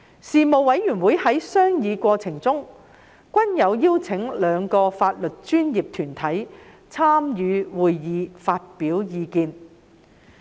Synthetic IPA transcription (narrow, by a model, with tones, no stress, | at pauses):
siː˨mo˨wwɐ˨˥jjyː˨˩nwuː˨˥jhɐ˨˥jsœː˥ŋjiː˨˧kʷɔː˧t͡sʰɪ˨˩ŋt͡sʊ˥ŋ | kʷɐ˥njɐ˨˧wjiː˥wt͡sʰɪ˨˥ŋlœː˨˧ŋkɔː˧faː˧t̚lɵ˨t̚t͡ʃyː˥nji˨p̚t̪ʰyː˨˩nt̪ʰɐ˨˥j | t͡sʰaː˥mjyː˨˧wuː˨jjiː˨˧faː˧t̚piː˨˥wjiː˨˧kiː˧n